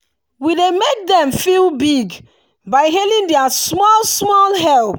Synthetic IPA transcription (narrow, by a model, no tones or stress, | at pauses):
widemek̚dɛ̃mfilbiɡ | baɪɦelĩndɛasmɔlsmɔlɦɛlp